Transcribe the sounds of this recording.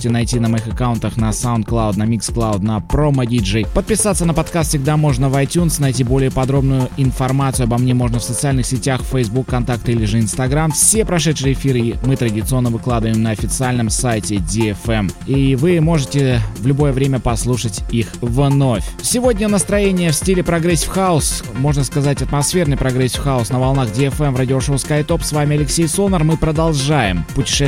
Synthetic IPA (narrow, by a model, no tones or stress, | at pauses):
tʲɪnɐjtʲinəmɐixɐkaʊnt̪əxnɐsaʊnt̪̚klˠaʊd̪nɐmʲiksklˠaʊd̪nɐpɾomɐdʲiʐɛjpət̪̚pʲɪsat̪sənəpɐt̪kast̪sʲɪɡ̚d̪amo̞ʐnəvɐjtʲunsnɐjtʲibo̞lʲɪjəpɐd̪ɾo̞bnʊjʊɪnfɐrmat̪sɨʉɐbɐmnʲemo̞ʐnəfsət̪sɨalʲnɨxsʲɪtʲaxfɛjzbukːɐnt̪ak̚t̪ilʲɪʐɨɪnst̪ɐɡɾamfsʲe̞pɾɐʂɛt̪ʂɨjəɪfʲiɾɨmɨt̪ɾədʲɪt̪sɨo̞nːəvɨklˠad̪ɨvəɪmnəɐfʲɪt̪sɨalʲnəmsajtʲɪdʲɪɛfɛmivɨmo̞ʐɨtʲɪvlʲʊbo̞jəvɾʲemʲəpɐslˠuʂətʲixvno̞fʲsʲɪvo̞dʲnʲənəst̪ɾɐjenʲɪjəfsʲtʲilʲɪpɾɐɡɾɛsʲfxaʊsmo̞ʐnəskɐzatʲɐt̪mɐsfʲe̞rnɨjpɾɐɡɾɛsʲfxaʊsnəvɐlˠnaxdʲɪɛfɛmvradʲɪoʂoʊskajt̪o̞psvamʲɪɐlʲɪksʲejsonərmɨpɾəd̪ɐlˠʐajɪ̰mpʊtʲɪ̥ʂɛ